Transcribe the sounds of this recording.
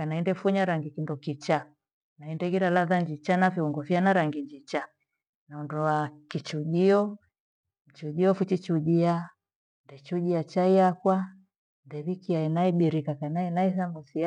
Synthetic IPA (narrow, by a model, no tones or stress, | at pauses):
kanaindɛfuɲaɾaŋɡikindɔkit͡ʃa | naindɛɡiɾalaðaɲd͡ʒit͡ʃanafiuŋɡɔfianaɾaŋɡiɲd͡ʒit͡ʃa | naundɔwakit͡ʃuʄiɔ | m̩t͡ʃud͡ʒiɔfut͡ʃit͡ʃuʄia | ndɛt͡ʃuʄiat͡ʃaiakwa | ndɛβikiainaiɓiɾikakanainaisamusi